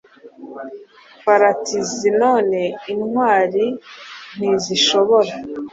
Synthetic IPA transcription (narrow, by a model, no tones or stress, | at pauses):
faɾatizino̞ːne̞inŋwaːɾin̥iziʃo̞βoɾa